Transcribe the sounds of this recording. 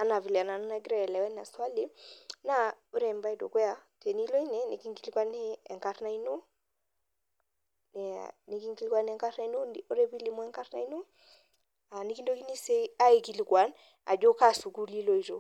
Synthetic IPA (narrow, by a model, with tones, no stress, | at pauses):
a˨na˨vi˨li˨a˨na˨n˦na˦ɡɾɛ˦ɛ˨lɛ˨wɛ˦na̰˨swa˦li˦na˦o˦ɾe˨mba˦i˨˦do̰˨kwe˦ja˨˦te˨ni˦lo˦i˦ne˨˦ni˨ki˦ŋɡi˦lkwa˦ne˦ɛ˨ŋka˦ɾna˦i˦no˦ | n̰˨ni˨ki˦ŋɡi˦li˦kwa˦nɛ˨ŋka˦ɾna˦i˦no˦˨o˦ɾe˦bi˦li˦mɔ˦ɛ˦ŋka˦ɾna˦i˦no˦ | a˨ni˦ki˦ndo˦ki˦ni˦se˦a˦i˨ki˨lkwa˨˦n | a̰˨d͡ʒo˦ka˦su˨ɡu˦li˦lo˦˨i˨ɾo˨